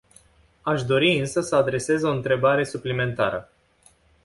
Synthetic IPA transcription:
aʃd̪o̞ɾiɨnsəsəad̪ɾe̞se̞zo̞ɨnt̪ɾe̞baɾe̞suplime̞nt̪a̰ɾə

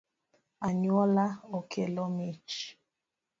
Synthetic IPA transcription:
aɲwɔlaɔkʰelɔmit͡ʃ

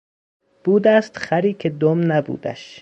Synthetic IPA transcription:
b̥uːd̪æst̪χæɾiːkʰed̪omnæbṵːd̪æ̰ʃ

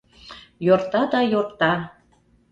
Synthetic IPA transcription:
jort̪ɑd̪ɑjort̪ɑ

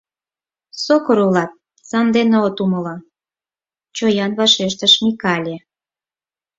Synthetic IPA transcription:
sokoɾulɑt̪̚ | sɑnd̪eneot̪uməlɑ | t͡ɕojɑnβɑʃeʃ̬t̪əʃmikɑlʲe

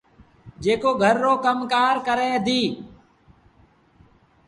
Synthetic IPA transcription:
d͡ʒeːkoːɡʱəɾːoːkəmkaːɾkəɾeːəd̪iː

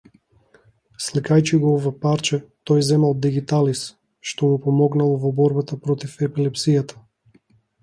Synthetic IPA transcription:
slikajt͡ʃiɡɔɔvapaɾt͡ʃɛt̪ɔjzɛmalˠd̪iɡit̪alis | ʃt̪ɔmupɔmɔɡnalˠɔvɔbɔɾbat̪apɾɔt̪ifɛpilɛpsijat̪ḁ

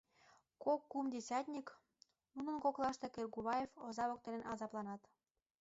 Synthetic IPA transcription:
kokːumdʲesʲɑt̪ʲnʲik | nunə̆nkoklˠɑʃt̪e̽kerɡuβɑjefozɑβok̚t̪enenɑzɑplˠɑnɑt̪

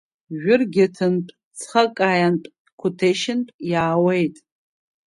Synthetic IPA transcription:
ʒᶣʊrɡʲɪtʰɨnpʼ | t͡sʰχakʼajanpʼ | kʷʰʊtʰeʃɪnpʼjaːwejtʼ

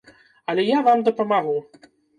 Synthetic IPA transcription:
ɐlʲɛjavamd̪ɐpɐmaɣu

